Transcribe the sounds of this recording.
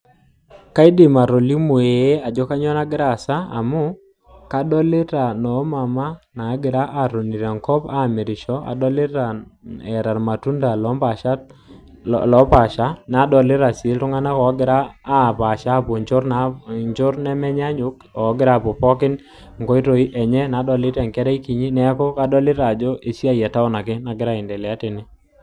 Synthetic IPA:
ka˦i˦dɪ˨ma˨ɾɔ˨li˦mu˨e˨e˦a˨d͡ʒɔ˦ka˦ɲɔ˦na˦ɡɪ˦ɾa˨sa˦a̰˨mʊ˦ | ka˦dɔ˦lɪ˦ta˨nɔ˨˦ma˨ma˦na˨˦ɡɪ˨ɾa˦ʔa˨ɾo˨ni˨ɾa˨ŋkɔ˦pa˦˨mɛ˨ɾɪ˨ʃɔ˦a̰˨dɔ˦lɪ˦ɾa˨ɛ˨ɾa˨ɾma˨tu˦nda˨lɔ˦mba˨ʃa˦ | lɔ˨˦pa˨ʃa˦na˨˦dɔ˨lɪ˦ɾa˨sɪ˨˦ltʊ˦ŋa˦na˦kɔ˨˦ɡɪ˨ɾaː˦˨pa˨ʃa˦˨pʊ˨ɲt͡ʃʊ˦ɾna˨˦ɲd͡ʒʊ˦ɾnɛ˦mɛ˦ɲa˦ɲʊ˦kɔ˨˦ɡɪ˦ɾa˦˨pɔ˨pɔ˦kɪ˦n | ŋkɔ˦i˦ɾo˨i˦ʔɛ˨ɲɛ˦na˨˦dɔ˨lɪ˦ɾɛ˨ŋkɛ˦ɾɛ˦i˦ki˨ɲi˦nɛ˦kɔ˦ka˦dɔ˦lɪ˦ɾa˨d͡ʒo˦ʔe˨si˦a˦jɛ˨ta˦ʊ˦na˨kɪ˦na˨ɡɪ˦ɾa˦˨ɪ˨ndɛ˨lɪ˨a˦tɪ˨nɪ˦

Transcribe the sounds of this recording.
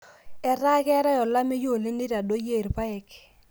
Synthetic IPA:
ɛ˨ɾa˦kɛ˦ɾa˦jɔ˨la˦me˦jo˦˨le˦ni˦ɾa˨do˦je˦˨ɾpa˦ɛ˨k

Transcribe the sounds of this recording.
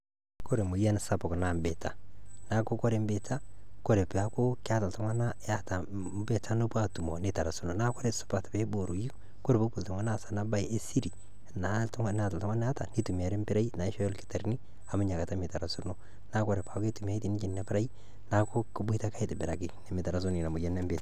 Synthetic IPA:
ko˦ɾe˨mʊ˨ja˦n˨sa˦˨pɔ˨kna˨mbe˨tʰa̰˨na˦ko˦kɔ˦ɾe˨˦m˦be˨tʰa˦ | kɔ˦ɾe˨pa˦ko˦kɪ˦a˦ta˨ltɔ˦ŋa˦na˦ja˦ta˨ | be˨ta˦no˦pa˦tu˨mɔ̰˨nɪ˨ta˨ɾa˨su˨no˨na˦kɔ˦ɾe˦sʊ̥˦pa˨tbe˦bo˨ɾu˨ji˦ | ko˦ɾe˨bo˦pu˨ltɔ˨ŋa˦na˦sa˨na˦ba˦i˨ʔe˦si˦ɾi˨ | na˨tŋ˦n˦a˨ta˨ltɔ˦ŋa˦n˦a˦ta˨ni˦tu˨mi˨a˨ɾɪ˦mbɪ˦ɾa˦i˦na˨ɪ˦ʃɔ˦jɔ˦lkɪ̥˦ta˨ɾni˦ | a˨mʊ˦ɲa˨ka˨ta˦mɪ˨ta˨ɾa˨su˦ɾno˦ | na˦kɔ˦ɾe˨pa˨ke˦tu˨m˨a˦i˦ti˨ni˦t͡ʃi˦nna˦pɪ˦ɾa˦i˦ | na˦ko˦ki˦bi˦ta˦ka˦i˦tɪ˨bɪ˨ɾa˨kɪ˨nɛ˨mɪ˨ta˨ɾa˨su˦ni˨na˨mu˨ja˦nɛ˦mbe˨ta

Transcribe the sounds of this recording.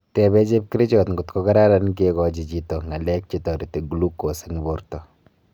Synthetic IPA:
tɛ˨bɛ˦t͡ʃe˦p̚ki˦ɾi˦t͡ʃɔ˨tŋɡu˨tko˦ka˦ɾa˦ɾa˦nk̬e˦kɔ˨d͡ʒi˨t͡ʃi˦tɔ˨ŋa˨lɛ˦k̚t͡ʃi˦tɔ˨ɾi˨te˨ɡulu˦kːo˨seŋ˨bo˨ɾtɔ˨

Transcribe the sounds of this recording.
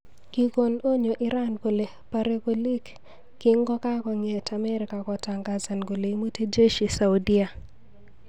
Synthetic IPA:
ki˨ko˨no˦ɲo˨ʔɪ˦ɾa˦nko˨le˨ | pa˨ɾe˦ko˨li˦kː | ɪ˦ŋɡɔ˦ka˦kɔ˨ŋe˨tʰa˨mɛ˦ɾɪka˨kɔ˨ta˨ŋɡa˦za˨nɡo˨le˨˦mo˦te˦d͡ʒe˦ʃi˨sa˨wdi˦a˨

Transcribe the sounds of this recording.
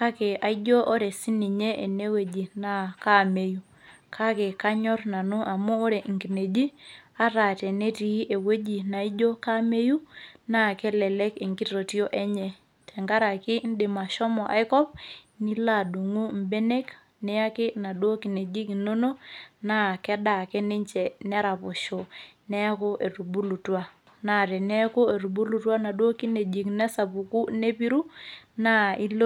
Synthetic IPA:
ka˦kɛ˨a˨i˦d͡ʒɔ˦ʔɔ˦ɾɛ˨si˦ni˨ɲɛ˦ʔe˨ne˦we˨d͡ʒi˨na˦ka˦me˨ju˦ | kʰa˦kɛ˨ka˦ɲɔ˦ɾna˨nu˦ʔa˨muː˦ɾɛ˨ŋɡi˨ne˨d͡ʒi˦a˦ɾa˨tɛ˨ne˦ti˨˦ʔe˨we˦d͡ʒi˨na˨i˦d͡ʒo˦ka˦me˦ju˦na˦kɛ˦lɛ˨lɛ˦ke˨ŋɡi˦ɾo˨ti˦o˦ʔɛ˦ɲɛ˨ | tʰɛ˨ŋɡa˦ɾa˨ki˦n̩˦de˨ma˨ʃɔ˦mɔ˨ʔa̰˨jkɔ˦p̚ | ni˦la˦˨du˨ŋu˦m̩˦be˦ne˦k | nɛ˦a˦kɪ˦na˨dwo˦ki˨ne˨d͡ʒi˦kno˦no˦na˦kɛ˦da˨kɛ˦nɪ˦ɲt͡ʃɛ˨nɛ˦ɾa˨pʊ˨ʃɔ˨nɛ˦kʊ˦ʔe˨ru˨bu˦lu˨twa˦ | na˨ɾɛ˨nɛ˦kʊ˦e˨ɾu˨bu˦lu˨twa˦na˨dwo˦ki˦ne˨d͡ʒi˨knɛ˦sa˨pu˨ku˦ne˦pi˦ɾu˦na˦i˦l

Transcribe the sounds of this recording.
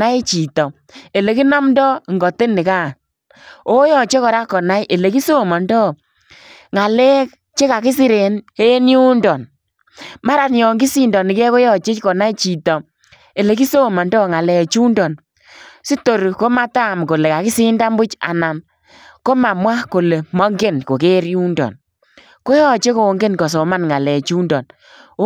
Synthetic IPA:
a˦i˦t͡ʃi˨tɔ˨ | e˨le˨ki˦na˦mndɔ˦˨ŋɡɔ˨te˦nɪ˨kaː˦˨ | o˨˦jɔ˨t͡ʃe˦kɔ˨ɾa˦kɔ˨na˦jʔe˨le˨ki˦so˦˨mɔ˨ndɔ˦˨ | ŋa˨lɛ˦k̚ | t͡ʃe˦ka˨kɪ˦si˦ɾe˨ne˦nju˦ndɔ˨n | ma˦ɾa˨njɔ˨ŋɡi˦si˦ndɔ˨nɪ˨kɛ˦ko˦jɔ˦˨t͡ʃɪ˦t͡ʃkɔ˨na˦jt͡ʃi˨tɔ˨ | e˨le˨ki˦so˦˨ma˨ndɔ˦˨ŋa˨lɛ˨t͡ʃu˦ndɔ˨n | si˦to˨ɾko˦ma˦ta˦˨mko˨le˨ka˨kɪ˦si˦nda˦mbʊ˦t͡ʃa̰˨na˨m | ko˦ma˨mwa˦ko˨le˨mɔ˦ŋɡe˦nko˨ke˦ɾju˦ndɔ̰˨n | ko˦jɔ˦t͡ʃe˦ko˨ŋɡe˦nkɔ˨s̬ɔ˨ma˦nŋa˨lɛ˨t͡ʃu˦ndɔ˨n˦

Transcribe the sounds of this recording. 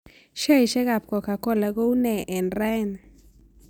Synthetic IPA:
ʃe˦˨jʃe˦ɡa˨p̚ko˨ka˨ko˦˨la˨ɡo˦wne˨ʔe˨nɾe˦˨n

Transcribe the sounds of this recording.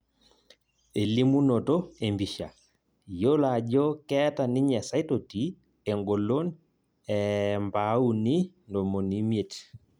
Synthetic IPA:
e˨li˦mu˦nɔ˨tɔ˦e˨mbi˨ʃa̰˨ | jo˦la˨d͡ʒɔ˦kɛ˦ta˨ni˦ɲɛ˨sa˦i˦to˨ti˨˦ | ɛ˨ŋɡo˨lo˦n | ɛ˨mba˨˦u˨ni˦ndɔ˨mo˨ni˦mje˨t

